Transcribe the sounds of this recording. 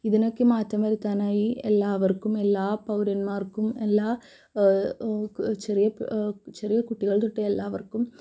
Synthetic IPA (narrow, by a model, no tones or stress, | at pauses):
ɪðɐnɐkːɯmaːt̪ːɐmɐɾɯt̪ːaːnaːjiʔɛlːaːʋɐɾkːɯmɛlːaːpɐʋɾɐnmaːɾkːɯmɛlːaː | t͡ʃɛɾɪjɐt͡ʃɛɾɪjɐkʊʈːɪɣɐɭt̪ɔʈːɐɛlːaːʋɐɾkːɯm